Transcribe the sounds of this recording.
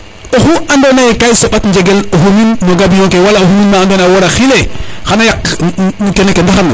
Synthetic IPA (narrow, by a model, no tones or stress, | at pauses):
oxuandonajekajsobatnd͡ʒeɡeloɦuminmoɡabijõŋkewalaoɦuminmaːndonawoɾaxilexanajak | kenekendaxana